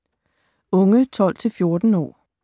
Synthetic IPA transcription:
ɔ̽ŋət͡sʰɒ̽l̰t͡sʰe̝lfjo̝ɐd̥n̩ɒ̰ː

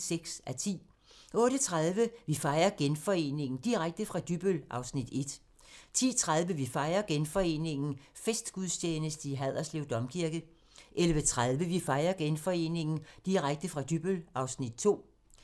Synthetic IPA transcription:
seɡ̥sæt͡sʰḭː | ʔɔ̽ːɾət͡sʰʁað̞ˠʋəʋifɑ̈ɪɐɡ̥enfɒ̽e̝̰ːne̝ŋn̩d̥iʁaɡ̥̚d̥əfʁɑ̈d̥yb̥ølʔɑ̈ʊsnid̥e̝d̥ | t͡sʰḭːt͡sʰʁaðˠʋəʋifɑ̈ɪɐɡ̥enfɒ̽e̝̰ːne̝ŋn̩fesd̥ɡ̥uðˠsʰeːnəsd̥əiɦæð̰ˠɐsleʊd̥ɒ̽mkʰiɐɡ̥ð̩ˠ | ʔelʋət͡sʰʁað̞ˠʋəʋifɑ̈ɪɐɡ̥enfɒ̽e̝̰ːne̝ŋn̩d̥iʁaɡ̥̚d̥əfʁɑ̈d̥yb̥əlɑ̈ʊsnid̥̚t͡sʰo̝̰ː

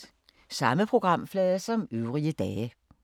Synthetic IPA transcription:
sɑ̈məpʰʁo̝ɡ̥ʁɑ̈m̰flɛːðˠɐsɒ̽møʊʁiəd̥ɛːə

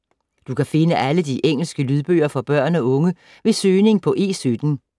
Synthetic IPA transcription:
d̥ukʰæfe̝nəʔæləd̥iʔeŋ̰l̩sɡ̥əlyð̞ˠb̥ø̰ːɐfɒb̥ɶɐ̰nɒ̽ɔ̽ŋə | ʋe̝søːne̝ŋpʰɒ̽ʔe̝̰ːsyd̥n̩

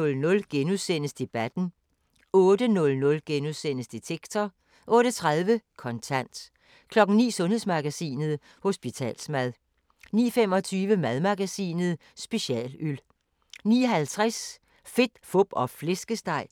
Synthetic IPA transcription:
ɔ̽lnɔ̽lɡ̥enusen̰əsd̥e̝b̥æd̥n̩ | ɔ̽ːd̥ənɔ̽lnɔ̽lɡ̥enusen̰əsd̥e̝t͡sʰeɡ̥t͡sʰɒ | ʔɔ̽ːɾət͡sʰʁaðˠʋəkʰɒ̽nt͡sʰæn̰d̥ | kʰlɒ̽ɡ̥n̩nḭːsɔ̽nhe̝ðˠsmɑ̈ɡ̥æsḭːnəð̞̩ˠ | ho̝sb̥it͡sʰɛ̰ːlsmæð̞ˠ | nḭːfem̰ɒ̽t͡sʰyːʋəmæðˠmɑ̈ɡ̥æsḭːnəð̩ˠ | sb̥e̝ɕɛ̰ːlyl | nḭːɦælt͡sʰʁas | fe̝d̥fɔb̥ɒ̽fle̝sɡ̥əsd̥ɑ̈ɪ̰

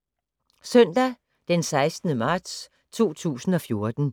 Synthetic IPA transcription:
sœn̰d̥æ | d̥ensɑ̈ɪsd̥nəmɑ̈ːd̥s | t͡sʰo̝̰ːt͡sʰṵːsn̩ɒ̽fjo̝ɐd̥n̩

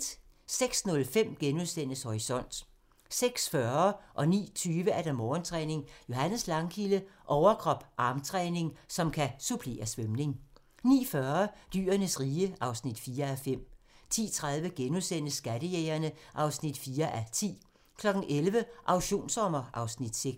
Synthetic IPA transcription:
seɡ̥snɔ̽lfem̰ɡ̥enuðˠsen̰əshɒʁisɒ̽n̰d̥ | seɡ̥sfɶɐɐʔɒ̽nḭːt͡sʰyːʋəæɐd̥ɑmɒːnt͡sʰʁɛːne̝ŋjo̝ɦænəð̩slɑ̈ŋkʰiləʔɒʊɐkʰʁɒ̽b̥ʔɑ̈ːmt͡sʰʁɛːne̝ŋsɒ̽mkʰæsupʰle̝̰ːɐsʋømne̝ŋ | nḭːfɶɐd̥y̰ːɐnəsʁiːəʔɑ̈ʊsnid̥fiːɐæfem̰t͡sʰḭːt͡sʰʁað̞ˠʋəɡ̥enuðˠsen̰əsːɡ̥æd̥əjeɪɐnəʔɑ̈ʊsnid̥fiːɐʔæt͡sʰḭː | kʰlɒ̽ɡ̥n̩ʔelʋəʔɑ̈ʊɕo̝̰ːnsɒ̽mɐʔɑ̈ʊsnid̥seɡ̥

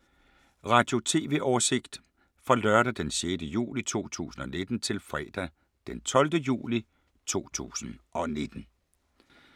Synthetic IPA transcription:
ʁɑ̈ːd̥jo̝t͡sʰe̝̰ːʋe̝ʔɒːse̝ɡ̥d̥ | fɒ̽lɶɐɾæd̥enɕjed̥əjṵːlit͡sʰo̝̰ːt͡sʰṵːsn̩ɒ̽ne̝d̥n̩t͡sʰe̝lfʁɛ̰ːd̥æ | d̥ent͡sʰɒ̽ld̥əjṵːli | t͡sʰo̝̰ːt͡sʰṵːsn̩ɒ̽ne̝d̥n̩

